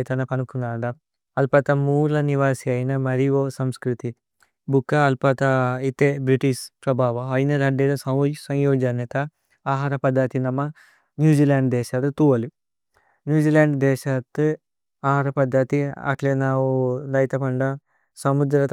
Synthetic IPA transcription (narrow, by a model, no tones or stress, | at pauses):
jt̪ɐnɐpɐnukuŋɡaːɳɖɐ | ɐlpɐt̪ɐmuːlɐniʋaːsiɐjnɐmɐɾiʋoːsɐmskɾut̪i | bukːɐːlpɐt̪ɐit̪ebɾiʈiʃpɾɐbʱaːʋɐɐjnɐɾɐɖed̪ɐsɐsɐwjoːd͡ʒɐnɐt̪ɐ | aːɦaːɾɐpɐd̪ʱːat̪inɐmːɐ | njuːd͡ʒiːlaːɳɖd̪ɛːʃɐt̪t̪uʋɐli | njuːd͡ʒiːlaːɳɖd̪ɛːʃɐt̪ːɨ | aːɦaːɾɐpɐd̪ʱːɐt̪iɐ̰klenaːʋud̪ɐjt̪ɐpɐɳɖɐ | sɐmud̪ɾɐt̪